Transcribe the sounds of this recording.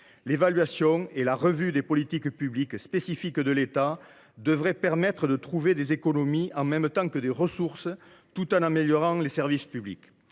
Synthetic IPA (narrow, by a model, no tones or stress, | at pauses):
levalɥasjɔ̃elaʁəvyd̪epɔlit̪ikpyblikspesifikd̪əlet̪a | d̪əvʁɛpɛʁmɛt̪χəd̪ət̪χuved̪ezekonomiɑ̃mɛmət̪ɑ̃ŋkəd̪eʁəsuʁsə | t̪ut̪ɑ̃nameljɔʁɑ̃ŋlesɛʁvispyblḭk